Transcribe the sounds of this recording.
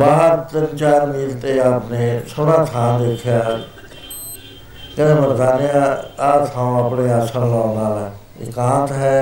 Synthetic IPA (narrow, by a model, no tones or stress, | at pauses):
baːɦəɾt̪ənt͡ʃaːɾmiːɾt̪eːaːpneːsoːɽaːt̪ʰãːd̪eːkʰːjaː | kɛ̃ːnebəɾt̪aːneːaaːt̪ʰãːõəpɽeːaːsʰənlãːnaːlɛː | ɪ̰kãːt̪ɦɛː